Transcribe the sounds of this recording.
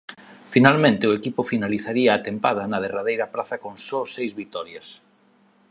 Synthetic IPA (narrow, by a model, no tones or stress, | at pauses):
finalmẽnt̪ɪʊekipʊfinaliθaɾiaːt̪empað̞ɐnɐð̞eraðejɾɐpɾaθɐkoŋsɔsejzβit̪ɔɾjɐs